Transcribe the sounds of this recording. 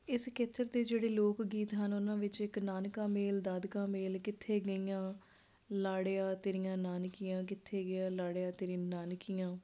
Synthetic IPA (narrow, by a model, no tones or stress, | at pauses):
ɪskeːt̪ʰːəɾd̪eːd͡ʒeːɽeːloːkɡiːt̪ɦənʊnãːʋɪt͡ʃɪknaːnkãːmeːld̪aːd̪kãːmeːlkɪt̪ʰːeːɡəijãː | laːɽejãːt̪eːɾɪjãːnaːnkijãːk̬ɪt̪ʰːeːɡɪjãːlaːɽejãːt̪eːɾĩnaːnkijãː